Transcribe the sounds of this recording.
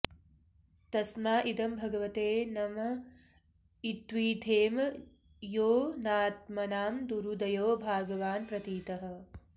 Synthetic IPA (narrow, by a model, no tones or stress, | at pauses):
t̪ɐsmaːʔid̪ɐmbʱɐɡɐʋɐt̪eːnɐmɐ | it̪ʋiːt̪ʰeːm | joːnaːt̪mɐnaːmd̪uɾud̪ɐjoːbʱaːɡɐʋaːnpɾɐt̪iːt̪ɐɦɐ̆